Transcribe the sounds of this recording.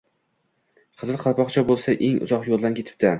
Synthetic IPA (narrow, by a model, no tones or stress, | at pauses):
qʰɨzɨlˠqʰɑlˠpɒqt͡ʃʰabolˠsaʔeŋʊ̰zɒqjolˠd̪ankʲet̪ʰɪ̥p̚t̪a